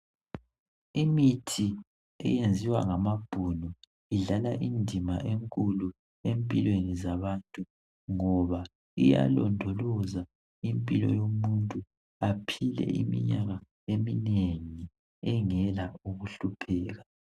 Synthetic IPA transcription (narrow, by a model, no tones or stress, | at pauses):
imitʰi | ɛ̰jend͡zʱiwaŋamab̥ʱunɔ | iɮalaʔindʱimaʔeŋkʼulu | empʼilwenizaβantʼu | ŋɔβa | ḭja̰lɔ̰ndʱɔlɔza | impʼilɔ̰jomuntʼu | apʰilɛ̰ʔḭmḭɲaɣa | emineŋi | ɛŋɛlauɣuɬupʰɛːɣa